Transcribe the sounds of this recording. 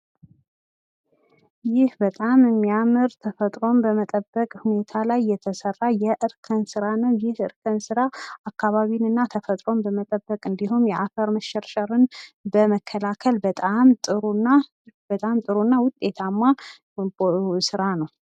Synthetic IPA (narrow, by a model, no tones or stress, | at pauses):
jɪhbət̪ʼamɨmːijamɨɾt̪ʰəfət̪ʼɾo̞mbəmət̪ʼəbːəkʼhune̞t̪ʰalajːɛt̪ʰəsərːajɛʔɨɾkʰənsɨɾanəwjɪhɨɾkʰənsɨɾaakʰːaβaβinɨnːat̪ʰəfət̪ʼɾo̞mbəmət̪ʼəbːəkʼɨnd̪iɦumjɛʔafəɾməʃɛɾʃʼəɾɨnbəməkʰːəlakʰəlbət̪ʼamt̪ʼɨɾunːa | b̥ət̪ʼamt̪ʼɨɾunːawʊt̪ʼːe̞t̪ʰamːa | sɨɾanəw